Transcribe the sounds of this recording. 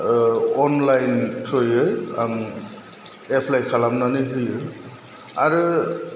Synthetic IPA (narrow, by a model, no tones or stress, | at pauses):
ɔnlajntʰɯjɯjam | epʰlajkʰalamnanɯɦɯjɯj | aɾɯ